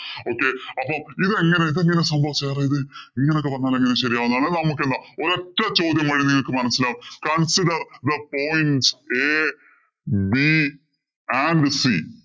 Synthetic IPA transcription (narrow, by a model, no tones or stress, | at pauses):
o̞ːkːe̞ɐpːomiðe̞ŋːɐne̞iðeŋːɐne̞sɐmbʱɐʋit͡ɕːaːreiðɨiŋːɐneokːeʋɐnːaːleŋːɐneɕɐɾijaːʋunːuaːɭnɐmuk̬ːend̪aːo̞ɾeʈːɐt͡ɕo̞ːd̪jɐmʋɐɻinniŋːɐɭkɨmɐnɐsilaːumkɐnsiɖɐrd̪ɐpo̞ːjnse | bi | aɳɖsi